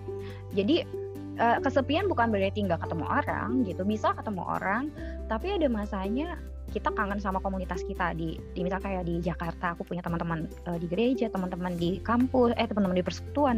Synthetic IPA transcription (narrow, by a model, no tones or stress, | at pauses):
d͡ʒadi | ʔəːkəsəmpianbukanbəɾet̪iŋɡakət̪əmṵŋʔo̰ɾa̰ŋɡit̪ubisakət̪əma̰ŋo̰ɾaŋ | t̪apiadamasaɲa | kit̪akaŋənsamakomunit̪askit̪adi | dimisalkajadid͡ʒakart̪aːkupuɲat̪əmənt̪əmən | ədiɡəɾed͡ʒat̪əmənt̪əməndikampʊsɛt̪əmənt̪əməndipərsə̥ku̥t̪uan